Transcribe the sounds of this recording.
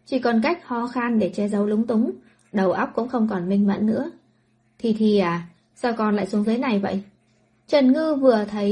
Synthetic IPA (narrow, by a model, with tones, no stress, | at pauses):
t͡ɕi˧˩kɔ˨˩nka˦˥jk̚hɔ˧xa˧nɗe˧˩t͡ɕɛ˧zə˨˦wlʊ˨˦ŋ͡mt̪ʊ˨˦ŋ͡m | ɗə˨˩wʔə˦˥k͡p̚kʊ̰˧˥ŋ͡mxə˧wŋ͡mkɔ˨˩nmï˧ŋ̟mə̰˧˨nnɨ̰˧˥ə | t̪ʰi˨˩t̪ʰi˨˩ʔaː˨˩ | saː˧wkɔ˧nla̰ː˧˨jsu˨˦əŋzəː˨˦jna˨˩jvə̰˧˨j | t͡ɕə˨˩nŋɨ˧vɨ˨˩ət̪ʰə˨˦j